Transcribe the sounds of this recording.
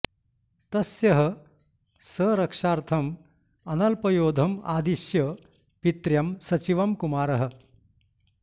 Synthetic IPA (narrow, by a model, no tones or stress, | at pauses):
t̪ɐsjɐɦɐ̆ | səːɾɐkʂaːɾt̪ʰɐm | ɐnɐlpɐjoːd̪ʱɐmaːd̪iʃjɐ | pit̪ɾjɐmsɐt͡ʃiʋɐmkumaːɾɐɦɐ̆